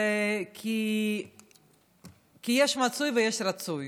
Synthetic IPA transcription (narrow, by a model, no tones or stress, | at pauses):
ekʰi | kijeʃmat͡sujvejeʃɾat͡suj